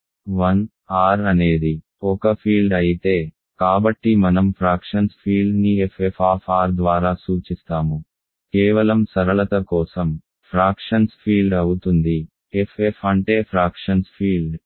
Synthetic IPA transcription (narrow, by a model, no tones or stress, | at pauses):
ʋɐn | aːɾɐne̞ːd̪i | ɔkɐpʰiːlɖɐjit̪e̞ː | kaːbɐʈːimɐnɐmpʰɾaːkʂɐnspʰiːlɖniefʰefʰaːpʰaːɾd̪ʋaːɾaːsuːt͡ʃist̪aːmu | kɛːʋɐlɐmsɐɾɐɭɐt̪ɐkɔːsɐm | pʰɾaːkʂɐnspʰiːlɖɐwut̪und̪i | efʰefɐɳʈe̞ːpʰɾaːkʂɐnspʰiːlɖ